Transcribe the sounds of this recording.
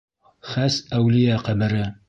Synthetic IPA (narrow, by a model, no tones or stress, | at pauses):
χæsæwlɪjæqæbɘ̆ɾɘ